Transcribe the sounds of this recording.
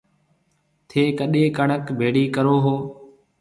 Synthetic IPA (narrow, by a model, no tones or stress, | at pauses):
t̪ʰeːkəɗeːkəɳəkbʱeːɽiːkəɾoːɦoː